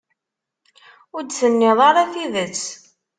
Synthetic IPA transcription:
ʊɾd̪θənːeðˤɑɾˤɑθiðət͡sː

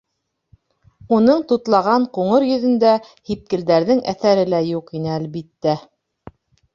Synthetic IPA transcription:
unɤɴt̪ut̪lˠɑʁɑɴquɴɤɾjɵ̆ðɘ̆nd̪æ | hip̚kɘ̆ld̪æɾðɘŋæθæɾɘlæjuqinɘælβit̪ːæ

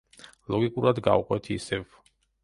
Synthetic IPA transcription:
lˠɔɡikʼuɾad̪ɡa̰uqʼwɛt̪ʰiːsɛv

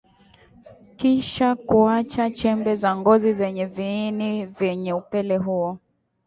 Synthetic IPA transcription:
kiʃakuat͡ʃat͡ʃɛmbɛzaŋɡɔzizɛɲɛviːnivjɛɲɛupɛlɛɦuɔ

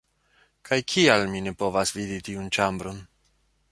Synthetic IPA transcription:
kʰajkʰialmine̞po̞vasviditiunt͡ʃambɾo̞n

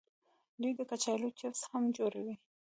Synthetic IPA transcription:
d̪ujd̪əkat͡ʃajlot͡ʃɪfshamd͡ʒoɾawi

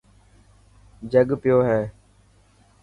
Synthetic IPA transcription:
d͡ʒəɡpɪjoːɦɛː

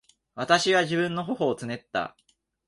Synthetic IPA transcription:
βat̪aɕiβaʑibɯ̟̃nːo̞ɦo̞ɦo̞ːt͡sɨne̞t̪ːa̰

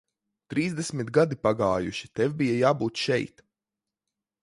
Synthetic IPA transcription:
t̪ɾiːzd̪esmit̪ɡad̪ipaɡaːjuʃi̥t̪ɛwbijajaːbuːt̪ʃɛjt̪

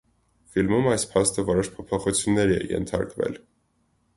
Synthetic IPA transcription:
filmumɑjspʰɑst̪əvɔɾɔʃpʰɔpʰɔχut͡sʰjunːɛɾiɛ̰jɛ̰nt̪ʰɑ̰ɾkvɛ̰l

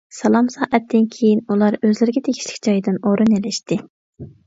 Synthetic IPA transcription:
sɑlˠɑmsɑːʔɛt̪ʰːɪnkʲʰejinulˠɑɾøzlɪɾɪɡʲɛt̪ʰeɡʲi̥ʃlɪ̥kʲd͡ʒɑjd̪ɨnoɾunelɪʃt̪ɪ

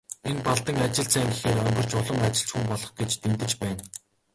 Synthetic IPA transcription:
enpaɮt̪ə̆ŋat͡ɕɪ̆ɬt͡sʰæːŋɡexeːɾœŋɡɞ̆r̥t͡ɕʊɮə̆mat͡ɕɪ̆ɬt͡ɕxumpɔɮɞ̆χɡet͡ɕt̪emt̪ɘ̆t͡ɕpæːn

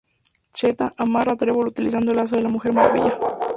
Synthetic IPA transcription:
t͡ʃet̪aʔamarat̪ɾeβolut̪ilis̬and̪olas̬oelamuxe̞ɾmaɾβḭʝa

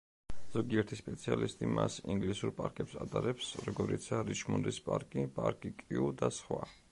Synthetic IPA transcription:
z̥ɔɡiɛɾt̪ʰispʼɛt̪sʰialist̪ʼimʔasiŋɡlisuɾpʼaɾkʼɛpsat̪ʼaɾɛpsɾɔɡɔɾit̪sʰaɾit͡ʃʰmunɾispʼaɾkʼipʼaɾkʼikʼiud̪asχwa

